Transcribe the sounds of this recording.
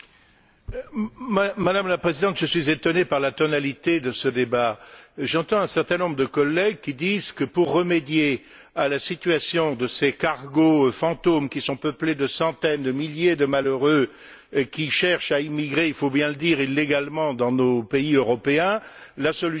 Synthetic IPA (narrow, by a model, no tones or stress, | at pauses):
mːad̪amlapχezid̪ɑ̃t̪ʒ̥əsɥizet̪ɔnepaʁlat̪ɔnalit̪ed̪əsəd̪ebaʒɑ̃t̪ɑ̃ɛ̃sɛʁt̪ɛ̃nɔ̃bʁəd̪əkɔlːɛɡkʲid̪izkəpuʁːəmed̪je | alasit̪ɥasjɔ̃d̪əsekaʁɡofɑ̃t̪omkʲisɔ̃pəpled̪əsɑ̃t̪ɛnd̪əmiljed̪əmaløʁø | kʲiʃɛʁʃaimiɡʁeilfobjɛ̃ləd̪iʁilːeɡalmɑ̃d̪ɑ̃nopeiøʁɔpeɛ̃ | lasɔly